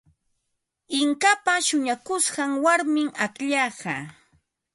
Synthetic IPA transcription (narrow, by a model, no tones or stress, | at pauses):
ɪŋkapaʃʊɲakʊsɢɑŋwaɾmɪŋakʎɑːɢɑ̰